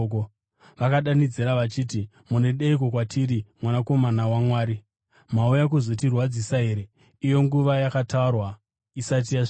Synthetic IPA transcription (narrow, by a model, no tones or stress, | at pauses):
o | ʋakaɗanid͡ziɾaʋat͡ʃiːti | mune̞ɗeik̬o̞kwatʰiɾimwanako̞manawamwaːɾi | maujak̬uzo̞tirwad͡zisaɦe̞ɾe̞ | ijo̞ŋɡuʋajakataurwa | isat̬ijaʐ